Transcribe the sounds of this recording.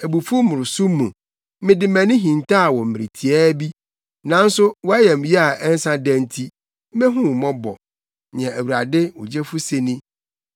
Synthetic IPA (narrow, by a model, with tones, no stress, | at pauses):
æ˨bu˨fu˦mʊ̃˨ɾʊ˨sʊ˦mːũ˨ | mɪ̃˦dɪ˨mæ̃˨nʊ̃˦ɦĩ˨ntʰa˦a˨wɔ̃˨m̩˨mɪ̃˨ɾɪ˨tʰi˨ɛ˦bi˦ | nã˦n̩˦sʊ˦wɔ˦a˦jɛ˨m˨jɛ˦a˨ʔɛ˦n̩˦sã˦dæ̃˦n˦tʰi˦ | mɛ̃˦ɦũ˦wmɔ̃˦bɔ̰˨ | ɲ̃˨ɛ̃˨æ˨wu˨ɾa˨dɪ˦wɔ˨d͡ʑɛ˦fʊ˦se˨nĩ˦